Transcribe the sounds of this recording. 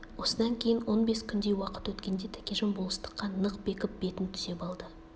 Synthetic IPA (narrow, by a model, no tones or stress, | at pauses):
wo̞səd̪ɑŋkʲʰe̞jɪnwo̞nbe̞skʲʰʏnd̪e̞jwɑqə̥t̪wɵt̪kʲe̞nd̪e̞t̪ʰæ̥kʲe̞ʒəmbolˠəst̪ə̥qːɑnəqbe̞kʲɪp̚be̞t̪ɪnt̪ʰʏz̥e̞pɑlˠd̪ə